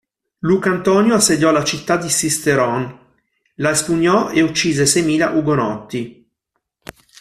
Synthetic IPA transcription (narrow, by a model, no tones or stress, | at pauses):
lukant̪ɔnjoasːed̪jɔlat͡ʃit̪ːad̪isist̪eɾɔn | laespuɲːɔʔeut͡ʃːiːzesɛjmiːla̰ʔuɡonɔt̪ːi